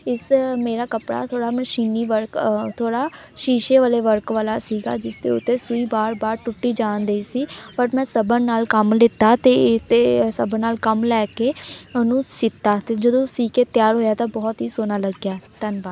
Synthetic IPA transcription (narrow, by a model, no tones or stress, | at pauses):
ɪsmeːɾaːkəpɽa̰ːt̪ʰoːɽaːməʃiːniːʋəɾkt̪ʰoːɽaː | ʃiːʃeːʋaːleːʋəɾkʋaːlaːsiːɡa̰ːd͡ʒɪsd̪ḛːʊt̪ːeːsuiːbaːɾbaːɾʈʊʈːiːd͡ʒãːnd̪eiːsiːpəʈmɛ̃ːsəbənaːlkəmlɪt̪ːaːt̪eːɪt̪eːsəbənaːlkəmlɛːkeːənũːsɪt̪ːaːt̪eːd͡ʒəd̪õːsiːkeːt̪jaːɾɦoːjaːt̪ãːbɔːt̪ɦiːsoːnaːləɡjaːt̪ənbaːd̪